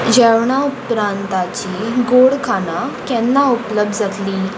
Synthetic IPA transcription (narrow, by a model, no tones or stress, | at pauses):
d͡ʑɛʋɳaupɾant̪at͡ɕiːɡoɽkʰanakɛ̃nːaupləb̚d̪d͡zat̪liː